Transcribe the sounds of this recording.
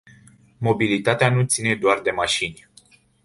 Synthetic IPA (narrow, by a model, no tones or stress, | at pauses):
mo̞bilit̪at̪eanut̪sine̞d̪oard̪e̞maʃinʲ